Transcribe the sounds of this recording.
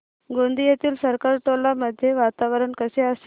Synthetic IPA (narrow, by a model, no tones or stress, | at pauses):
ɡond̪ijet̪iːlsəɾkaɾʈ̪olaməd̪ʱːjeʋat̪aʋəɾəɳkəseəse